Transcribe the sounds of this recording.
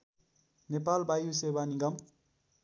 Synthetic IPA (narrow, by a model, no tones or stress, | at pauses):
nepalbʱajusebaniɡʌm